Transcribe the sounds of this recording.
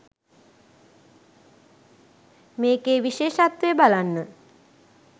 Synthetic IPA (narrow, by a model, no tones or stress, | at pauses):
meːkeːʋiʃeːʃat̪ʋeəbalanːə